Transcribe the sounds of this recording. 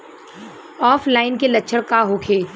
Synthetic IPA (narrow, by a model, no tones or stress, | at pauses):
ɔːflaːɪnkelɐtːʃʰəɽkaɦokʰeː